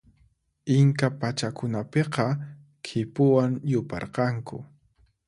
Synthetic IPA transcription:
ɪŋkapat͡ʃakʊnapeqɑ | kʰɪpʊwaŋjʊpɑ̰ɾqɑŋkʊ̰

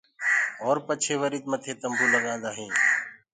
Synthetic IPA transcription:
ɦoːɾpət͡ʃʰeːʋəɾiːt̪mət̪ʰeːt̪əmbʱũːləɠãːnd̪aːɦĩː

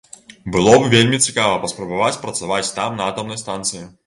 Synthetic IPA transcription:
bɨlˠɔbvʲelʲmʲit͡sʲikavɐpɐspɾɐbavat͡sʲpɾɐt̪savat͡sʲt̪amnɐat̪ɐmnɐjst̪ant̪sɨji

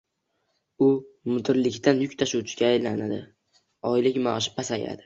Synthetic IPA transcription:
ʊmʊd̪ɪɾlɪkʲt̪anjʊkʲt̪ʰaʃuwt͡ʃʰɪ̥ɡʲaːjlanad̪ɪ̰ | ɒjlɪkʲmaɒʃɪ̥pʰasaja̰d̪ɪ

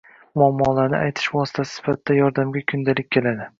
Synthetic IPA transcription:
mʊamːɒlaɾnɪ̰ʔajt̪ʰɪ̥ʃvɒsɪ̥t̪ʰasɪ̥sɪ̥fat̪ʰɪd̪ajɒɾd̪amɡʲakʰʊnd̪alɪk̚ʲkʰʲːe̞lad̪ɪ

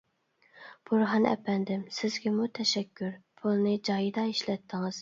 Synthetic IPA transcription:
b̥uɾɦɑnɛ̰pɛnd̪ɪmsɪzɡʲɛmut̪ʰɛʃɛkʲːyɾpʰulˠnɨd͡ʒɑːjid̪ɑiʃlɛt̪ʰːɪŋɨz̥

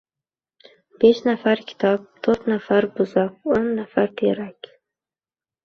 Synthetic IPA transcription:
b̥eʃnafaɾkʲʰɪ̥t̪ʰɒp̚t̪ʰoɾt̪nafaɾbʊzaq̚onːafaɾt̪ʰeɾakʲ

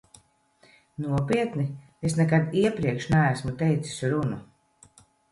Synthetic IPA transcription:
nuɔpiɛt̪ni | esnɛkad̪iɛpɾiɛkʃnææsmut̪ɛjt̪si̥sʲɾunu

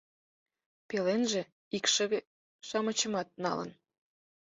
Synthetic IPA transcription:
pelenʒĕ | ikʃə̆βe | ʃɑmət͡ɕəmɑt̪̚nɑ̰lə̰n

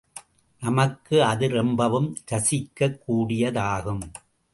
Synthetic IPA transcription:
nɐmɐkːɯɐðɯɾɛmbɐʋɯmɾɐsɪkːɐkːuːɽɪjɐðaːɣɯm

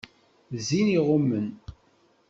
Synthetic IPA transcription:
ziniʁʊmːən

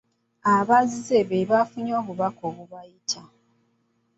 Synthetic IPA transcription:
aβazizeβeβafuɲo̞ːβuβakoβuβajitʰa

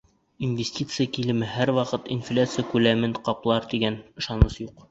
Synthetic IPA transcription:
invʲesʲtʲit̪sɨjəkilɘ̆mɘɦæɾwɑqɤt̪inflʲat̪sɨjəkʉlæmɘnqɑplˠɑɾt̪iɡænɤ̆ʃɑnɤʃjuq

